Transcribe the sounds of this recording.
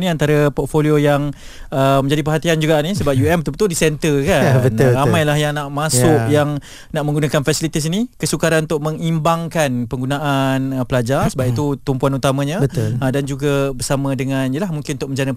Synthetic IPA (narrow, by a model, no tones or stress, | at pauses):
niant̪aɾapɔt̪̚foliojaŋ | əmə̃ɲd͡ʒadipərɦat̪iand͡ʒuɡaʔnisəbap̚juɛmbət̪ubət̪uldisɛnt̪əkabənamajlahjaŋnaʔmasʊʔʔjaŋ | naʔmə̃ŋɡunakanfasilit̪is̬inikəsukaɾanunt̪ʊʔ̚məŋimbaŋkanpəŋɡunaʔanəpəlad͡ʒarsəbap̚it̪ut̪umpuanut̪amãɲabət̪ʊədand͡ʒuɡabərsamə̃dəŋãnijəlahmuŋkɪ̃nunt̪ʊʔ̚məɲd͡ʒanə